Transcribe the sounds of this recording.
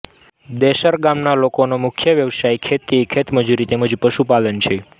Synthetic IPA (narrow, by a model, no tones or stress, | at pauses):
d̪eʃəɾɡamnalokonomʊkʰjəʋjəʋsajkʰet̪ːekʰet̪məd͡ʒuɾit̪eməd͡ʒpəʃupalənt͡ʃʰe